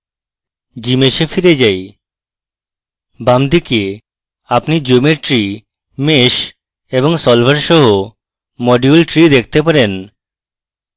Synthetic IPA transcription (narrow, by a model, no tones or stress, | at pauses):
d͡ʑimeʃefiɾed͡ʑaj | bamd̪ike | apnid͡ʑomeɾʈɾi | meʃ | eboŋsɔlbʱaɾʃɔɦo | mɔɖiulʈɾid̪ek̚ʰt̪epaɾen